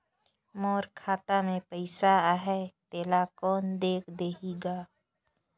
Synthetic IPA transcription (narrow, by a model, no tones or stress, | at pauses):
moːɾkʰaːt̪amẽpəɪsaaɦɛt̪eːlakɔːnd̪eːkʰd̪eːɦiɡaː